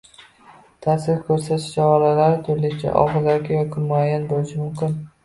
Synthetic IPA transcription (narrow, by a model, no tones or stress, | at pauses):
t̪ʰasɪɾkʲʰɵɾsat̪ɪ̥t͡ʃɒaɾalaɾɪt̪ʰʊɾlɪɡʲɪt͡ʃʰa̰ʔɒ̰ʁɨzaɾɡʲɪjɒkʲʰɪmʊajːanbolɪʃɪmʊmkʲɪn